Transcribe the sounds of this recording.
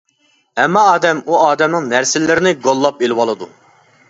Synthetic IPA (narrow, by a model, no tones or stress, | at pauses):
ɛmːɑːd̪ɛmuɑːd̪ɛmnɪŋnæɾsɪlːɪɾɪnɪɡolˠːɑpelɪwɑlˠɨd̪u